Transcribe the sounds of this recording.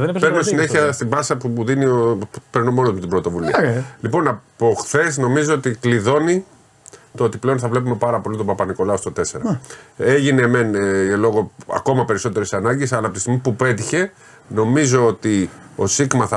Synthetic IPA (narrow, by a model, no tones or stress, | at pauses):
peɾnosine̞çiɐst̪ibɐsɐpuuðiniopeɾno̞mo̞nozmet̪ibɾot̪o̞vuliɐlipo̞nɐpoxθe̞sno̞mizo̞ot̪ikliðo̞ni | t̪oot̪iple̞onθɐvle̞p̬ume̞pɐɾɐpo̞lit̪opɐpɐniko̞lɐo̞st̪ot̪ese̞ɾɐe̞ʝineme̞nlo̞ɣo̞ɐ̰ko̞mɐpe̞ɾiso̞t̪e̞ɾesɐnɐɲɟesɐlɐpot̪st̪iɣmipupe̞t̪̬içe̞ | no̞mizo̞ot̪io̞̰siɣmɐθɐ